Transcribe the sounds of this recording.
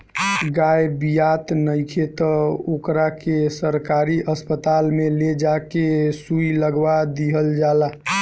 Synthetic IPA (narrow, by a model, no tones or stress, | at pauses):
ɡajbijat̪nəjkʰet̪əokɾakesəɾkaɾiʔəspət̪aːlmeled͡ʒakesuiləɡʋad̪iɦəld͡ʒaːla